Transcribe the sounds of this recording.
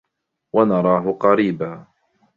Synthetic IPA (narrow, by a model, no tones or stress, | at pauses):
wanɑɾˤɑːɦʊqɑɾiːbaː